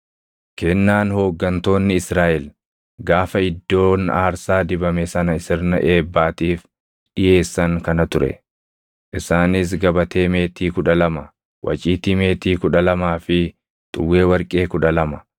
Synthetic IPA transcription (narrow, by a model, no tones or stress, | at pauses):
kɛnːaːnho̞ːɡːɐnt̪o̞ːnːɪɪsɾaːʔɛl | ɡaːfɐɪd̪ːo̞ːnaːɾsaːd̪ɪbɐmɛsɐnɐɪsɪɾnɐ̰ʔeːbːaːt̪iːf | ᶑɪjʔe̞ːsːɐŋkɐnɐt̪ʊɾɛ̰ | ʔɪsaːnɪs̬ɡɐbɐt̪ʰe̞ːme̞ːt̪iːkʊᶑɐlɐmɐ | wʔɐ̰t͡ʃʼiːt̪iːme̞ːt̪iːkʊᶑɐlɐmaːfɪ | t̪ʼʊwːe̞ːwɐɾkʼe̞ːkʊᶑɐlɐmɐ